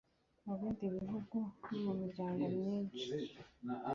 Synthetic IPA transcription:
muβiːndiβiɦuɡunimumiɾɟaːŋɡomɲiːnt͡ʃi̥

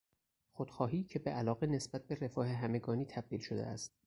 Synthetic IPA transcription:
xod̪̥xɒːɦiːcʰebeʔælɒːɣene̞sb̥æt̪̚be̞re̞fɒːheɦæme̞ɡɒːniːt̪ʰæb̥̚d̪iːlʃod̪ḛæ̰st̪̚

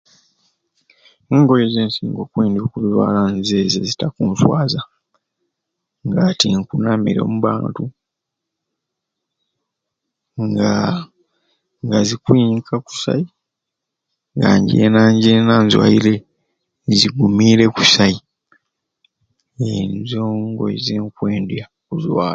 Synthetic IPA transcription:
eːŋɡo̞lezeːnsiŋɡo̞kwiːndiokuβiwa̰ːlanzeːzezitakuːɱfwaːza | ŋɡatiŋkunamiɾemuβa̰ːntu | ŋɡa | ŋɡazikwiːŋkʰaku̥sa̰i | ŋɡaɲɟḛːnaːɲɟenanzwa̰ile̞ | ziɡumiːɾe̞ku̥sai | enzo̞ːŋɡo̞̰zeːŋkwe̞ːndja | kuzwaː

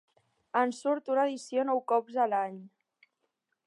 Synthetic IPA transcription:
ənsuɾt̪unəðisionɔwkɔbzəlaɲ

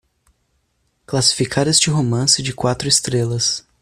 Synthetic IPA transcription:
klasi̥fikʰaɾest͡ʃɪɦomɐ̃sɪd͡ʒɪkwat̪ɾʊɪst̪ɾelɐs

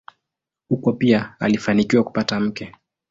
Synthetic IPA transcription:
hukɔpiaa̰lifanikiwaku̥patam̩kɛ

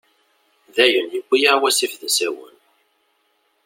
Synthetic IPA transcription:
ðæjəniɡʷːijaɾwæsifðæsæwə̰n

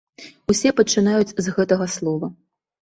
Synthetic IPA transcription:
usʲɛpɐt͡ʂɨnajut͡sʲzɣɛt̪ɐɣɐslˠɔvɐ

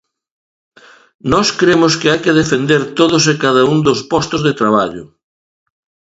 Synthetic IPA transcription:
nɔskɾemʊskɪajkɪðefend̪eɾt̪oð̞ʊsekaðaund̪ospɔst̪ʊzðet̪ɾaβaʎʊ

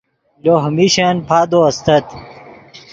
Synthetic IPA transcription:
loɦmiɕenpʰaːd̪oɐst̪ɐt̪

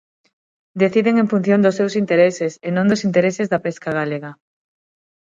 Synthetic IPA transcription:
d̪eθiðeŋẽɱfun̟θjõnd̪ʊsːewsint̪eɾesesenõnd̪osint̪eɾesezðɐpeskaɣaleɣɐ

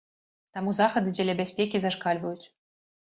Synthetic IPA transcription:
t̪ɑmuzɑxɤ̆d̪ɨdʲelʲæbʲæsʲpʲekʲizɑʂkɑlʲvəjut͡sʲ

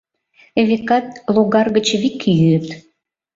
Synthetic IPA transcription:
eβekɑt̪̚loɣɑrɣət͡ɕβikːijyət̪

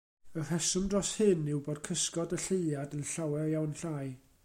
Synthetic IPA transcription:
ər̥ɛsʊmdrɔshɨnɪwboːd̥̚kʰəskɔdəɬeɨadənɬawɛjawnɬaːj

